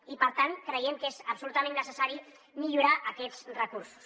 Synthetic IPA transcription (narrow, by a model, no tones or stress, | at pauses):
ipəɾt̪ankɾəjɛmkezəpsulut̪əmẽnːəsəsaɾi | miʎuɾaʔəkɛt̪t͡srəkuɾsu̥s